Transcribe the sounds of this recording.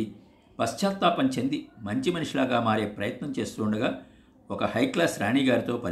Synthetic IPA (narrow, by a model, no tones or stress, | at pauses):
i | pɐst͡ʃaːɾt̪ːaːpɐɲt͡ʃend̪imɐɲt͡ʃimɐnuʂilaːɡaːmaːɾe̞ːpɾɐjɐt̪nɐmt͡ʃe̞ːst̪uːɳɖɐɡaː | ɔkɐhɐjklaːsɾaːɳiːɡaːɾit̪o̞ːpɐ